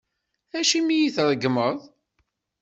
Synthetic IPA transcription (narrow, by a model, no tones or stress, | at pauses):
æʃimijiθɾˤəɡməðˤ